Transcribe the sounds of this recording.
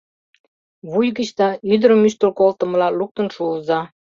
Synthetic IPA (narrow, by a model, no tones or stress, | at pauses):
βujɣət͡ɕt̪ɑyd̪əɾəmyʃt̪əlkolt̪ə̆məlɑluk̚t̪ənʃuəzɑ